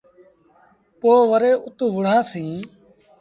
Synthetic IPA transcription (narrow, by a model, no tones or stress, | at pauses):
poːʋəɾeːʔʊt̪uʋʊɽ̤ãːsĩː